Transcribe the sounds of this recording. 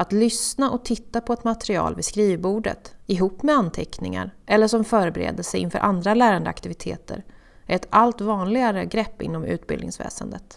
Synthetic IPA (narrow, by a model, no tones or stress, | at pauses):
at̪lʏsnaʔɔt̪ʰɪt̪ːapʰɔɛt̪mat̪ɾɪɑ̰ːlvɪskɾiːvbuːɖə̰t̪ɪɦuːpːmɛant̪ʰɛknɪŋa̰ɾʔɛlːəʂɔmfœːɾbɛɾḛːd̪əsɛjɪnfœ̰ːɾʔand̪ɾalæːɾand̪əa̰kt̪ɪvɪt̪ʰeːt̪ʰə̰ɾ | ɛt̪alt̪vɑːnlɪɡaɾəɡɾɛpːɪ̰nːɔmʉ̟̰ːt̪̚bɪ̰lɪ̰ŋsvɛ̰ːsənd̪ət̪